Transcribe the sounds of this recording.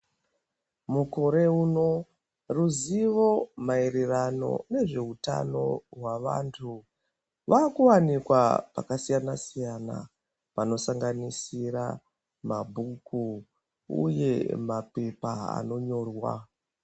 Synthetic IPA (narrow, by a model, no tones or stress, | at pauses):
muko̞ɾe̞uːno̞ | ruziʋo̞maeɾerano̞̰ne̞ʐe̞uta̰no̞ɦwaʋa̰ːntʰu | ʋaːkuwanikwa̰pa̰kasijanasijana̰ | pano̞saŋɡanisiɾa | mabʱukʰu | ṵje̞̰mape̞paa̰no̞ɲo̞ːrwa̰